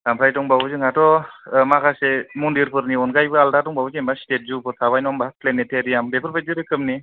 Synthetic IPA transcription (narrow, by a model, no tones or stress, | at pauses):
dampʰɾajtɔŋbabuzɯŋatɔmakʰasemundiɾpʰɯɾniɔnɡajbɯaldatɔŋbawuzembastet̚zupʰɯɾtʰaβajnɔmbapleneteɾijambepʰɯɾpʰajzɯɾɯkʰɯmni